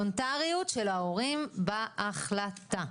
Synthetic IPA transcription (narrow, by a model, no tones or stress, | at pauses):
ontaʁijutʃelaoʁimbaːχlat̪a